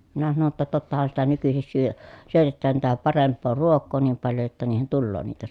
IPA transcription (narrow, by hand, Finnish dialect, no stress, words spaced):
minæ sɑno tːɑ totːɑhɑn sitæ nykysis syø syøtetːæːn tætæ pɑrempˑoː ruokˑoː niːm pɑljo jotːɑ niːhen tulːoː niːtæ